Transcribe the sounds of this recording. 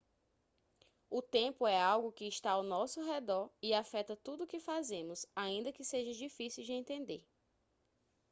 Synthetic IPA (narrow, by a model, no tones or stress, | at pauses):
ʊt̪ẽpʊɛawɡʊkɪːʃt̪aawnɔsʊɦɛd̪ɔɾiafɛt̪ɐt̪ud̪ʊkɪfazẽmʊzaĩnd̪ɐkɪseʒɐd͡ʒifisiwd͡ʒɪẽnt̪ẽnd̪eɾ